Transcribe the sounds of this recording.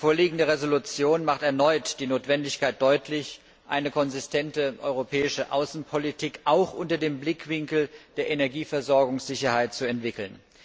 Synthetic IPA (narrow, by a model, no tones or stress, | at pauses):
foːɐliːɡŋ̩dəʁezolut͡sjoːnmaχtɛɐnɔʏtd̥iːnoːtv̥ɛndɪçkaɪt̚d̥ɔʏtʰlɪç | ʔa̰ɪnəkʰɔnzɪstʰɛntəʔɔ̰ʏʁopʰɛːɪʃəʔa̰ʊsn̩pʰolitʰikʔaʊxʔʊntɐdeːmblɪkv̥ɪŋkl̩d̥eːɐʔenɛɐɡiːfɛɐzɔɐɡʊŋsz̥ɪçɐhaɪt̚t͡suɛntv̥ɪkl̩n